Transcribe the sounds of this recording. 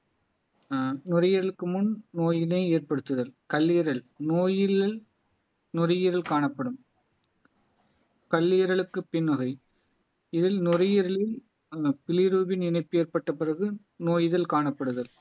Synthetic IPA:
nʊrɐjɐɾɐɭɯkːɯmʊnnoːjɪlɐɪeːrpɐɽɯt̪ːɯðɐlkɐlːiːɐɾɐɭ | noːjɪl | nʊrɐjɪɾɐlkaːɳɐpːɐɽɯm | kɐlːijɐɾɐɭɯkːɯpːɪnʋɐɣɐɪ | ɪðɪlnʊrɐjɪɾɐɭɪl | pɪlɪɾuːbɪnɪnɐɪpːɯeːɾpɐʈːɐpɪrɐɣɯ | noːjɪðɐlkaːɳɐpːɐɽɯðɐl

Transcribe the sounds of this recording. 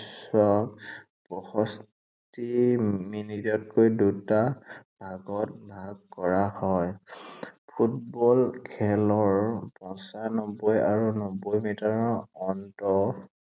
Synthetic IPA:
sɔk | pɔxɔs | timinitɔt̚kojdutabʱaɡɔt̚bʱaɡ̚kɔɹahɔj | pʰutbɔlkʰɛlɔɹpɔ̃nsanɔbɔjaɹunɔbɔjmitaɹɔɔntɔ

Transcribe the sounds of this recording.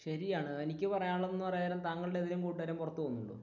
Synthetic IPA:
ɕɐɾijaːɳɨe̞nikʲːɨpɐrɐjaːɭonːɨpɐrɐjaɐɾɐmt̪aːŋːɐɭɨɽeðinumkuːʈːʋɐɾɐmpurɐt̪ːuʋonːuɳɖo̰ː

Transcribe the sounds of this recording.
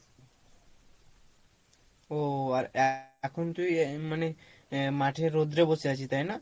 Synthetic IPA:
oaɾakʰɔnt̪ujmane | maʈʰeɾod̪ɾebɔseat͡ʃʰit̪ajna

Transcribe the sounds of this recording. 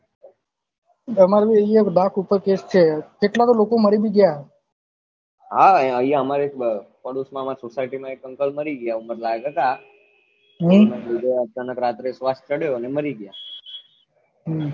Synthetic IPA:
əmaɾbiəijakd̪akʰupəɾkest͡ʃʰekeʈlat̪olokoməɾibʱiɡəja | ɦãəjaəmaɾekpəɽusmãmaɾsosajʈimãekə̃ŋkəlməɾiɡəjauməɾlaeɡɦət̪a | ɦmaid̪eət͡ʃanəkɾat̪ɾesʋast̪̚t͡ʃəɽejoneməɾiɡəja | ɦ

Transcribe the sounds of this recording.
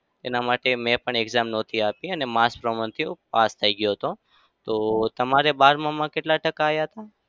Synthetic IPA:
t̪enamaʈemɛ̃pəɳeɡzamnɔt̪ʰiapĩənemaspɾəmə̃nt̪ʰipast̪ʰəiɡjoɦt̪ʰo | t̪ot̪əmaɾebaɾmãmãkeʈlaʈəkaːjaɦət̪a

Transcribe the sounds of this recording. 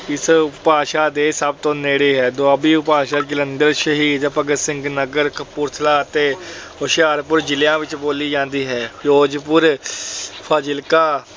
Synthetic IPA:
ɪspaːʃaːd̪eːsəb̚t̪õːneːɽeːɦɛːd̪oabiːʊpaːʃaːkɪlənd̪əɾʃəɦiːd̪pəɡəsɪ̃ŋɡnəɡəɾkʰpʊɾt̪ʰəlaːt̪eːɦoʃjaːɾpʊɾd͡ʒɪljãːʋɪt͡ʃboːliːd͡ʒãːnd̪iːɦɛːjoːd͡ʒpʊɾ | pʰaːd͡ʒɪlkaː

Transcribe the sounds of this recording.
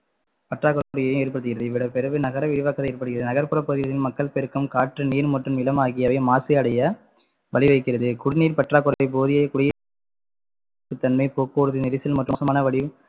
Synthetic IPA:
pɐʈraːkːɯɾɐkːɽɪjɐjɯ̃meːɾpɐɽɯt̪ːɯɣɪɾɐðɯɪʋɪɽɐpɛɾɯʋɯnɐɣɐɾɐʋɪɾɯʋɐkːɐt̪ɐɪːɾpːɐɽɯɣɪɾɐðɯnɐɣɐɾpɯɾɐpoːðɪʋɐðɪnmɐkːɐɭpɛɾɯkːɯmkaːʈrɯniːɾmɔʈrɯmɪlɐmaːɣɪjɐʋɐɪmaːsɐɐɽɐjɐ | ʋɐɭɪʋɐɪkːɪɾɐðɯkʊɽɪniːɾpɐʈraːkːɯɾɐɐɪp̬oːðɪjɐkʊɽɪjɐ | ɯt̪ːɐnmɐɪpoːkoːɽɯðɯnɪɾɪsɪlmɐʈrɯsɐmaːnɐʋɐɭɪ

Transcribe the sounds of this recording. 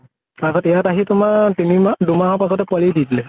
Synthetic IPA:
taɡɔtɛjataɦitʊmatinimadumaɦɔpasɔtɛpaliditilɛ

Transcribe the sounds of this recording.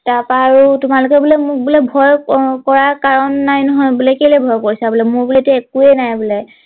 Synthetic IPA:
taɹpaːɹutʊmalʊkɛbulɛmʊk̚bulɛbʱɔjkɔɹaɹkaɹɔnːajnɔɦɔjbulɛkejlɛbʱɔjkoɹisabulɛmʊɹbulɛtekuɛnajbulɛ

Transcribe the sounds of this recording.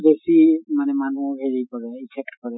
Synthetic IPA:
besimanɛmanũɦeɹikɔɹɛipʰɛk̚tkɔɹɛ

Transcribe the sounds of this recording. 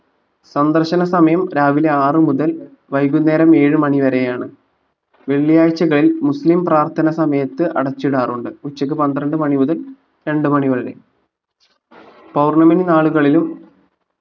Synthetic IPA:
sɐnd̪ɐrɕɐnɐsɐmɐjɐmɾaːʋile̞aːrɨmuðɐl | ʋɐjɣunːe̞ːɾɐme̞ːɻɨmɐɳiʋɐɾe̞jaːɳɨ | ʋe̞ɭːijaːjt͡ɕːɐɣɐɭilmuslimpraːrt̪ʰɐnɐsɐmɐjɐt̪ːɨʔɐ̰ɽɐt͡ɕːiɽaːruɳɖɨut͡ɕːɐk̬ːɨpɐnd̪ɾɐɳɖɨmɐɳimuðɐl | ɾe̞ɳɖɨmɐɳiʋɐðɐɾḛ | pɐwrɳɐmɐninaːɭuɣɐɭilum

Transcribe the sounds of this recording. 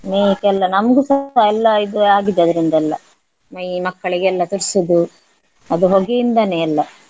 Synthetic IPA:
mekɛlːɐnɐmɐɡusɐɐɛlːɐid̪uaːɡid̪ːɐd̪ɐɾind̪ɐɛlːɐ | mɐjmɐkːɐɭiɡeɛlːɐt̪uɾsud̪u | ɐd̪uɦoɡiind̪ɐneɛlːɐ

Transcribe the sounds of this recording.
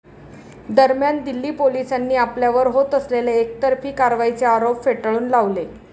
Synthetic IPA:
d̪əɾmjand̪ilːiːpolisanːiːapljaʋəɾɦot̪əsleleek̚t̪əɾfiːkaɾʋait͡seaɾopfeʈɭuːnlaʋle

